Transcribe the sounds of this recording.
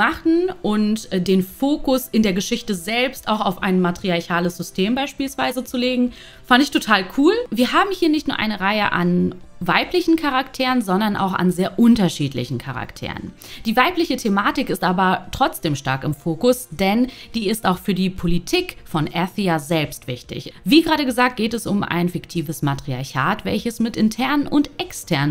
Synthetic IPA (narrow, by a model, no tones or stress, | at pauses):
aχn̩ʔʊntdeːnfoːkʊsɪndeːɐɡəʃɪçtəzɛlpstaʊxaʊfa̰ɪnmatʁ̥iaɐçaːləsz̥ʏstʰeːmbaɪʃpiːlsv̥aɪzət͡suleːɡŋ̩ | fandɪçtʰotʰaːlkʰuːlviːɐɦaːbm̩hiːɐnɪçtnuːɐʔaɪnəʁaɪəʔa̰nvaɪplɪçn̩kʰaʁaktʰeːʁənzɔndɐnʔa̰ʊxa̰nzeːɐʔʊntɐʃiːtlɪ̰çn̩kʰa̰ʁa̰ktʰḛːʁə̰n | d̥iːvaɪplɪçətʰemaːtɪkɪstʔaːbɐtʁ̥ɔt͡sd̥eːmʃtaɐkɪmfoːkʊsd̥ɛnd̥iːɪstaʊxfyːɐdiːpʰolitʰiːkfɔnʔɛθiazɛlpstv̥ɪçtɪ̰çv̥iːɡəʁaːɾəɡəzaːk̚t̚ɡ̥eːtɛsʊma̰ɪnfɪktʰiːvəsmatʁ̥iaɐçaːtvɛ̰lçəsmɪtʔɪntʰɛɐnənʔʊntʔɛkstʰɛɐnə